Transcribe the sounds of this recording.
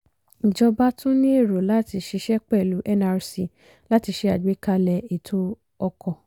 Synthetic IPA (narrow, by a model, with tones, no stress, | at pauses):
d͡ʒɔ˧ba˦tũ˦nĩ˦e˦˨ɾo˨la˨˦ti˧ʃi˧ʃɛ˦k͡pɛ˦˨lu˨˦ʔɛ˦na˧ɾsi˧˨ | la˦ti˧ʃe˧˦a˨ɡ͡be˨˦ka˧lɛ˧e˨tʰo˦ | ɔ˧kʰɔ˧˨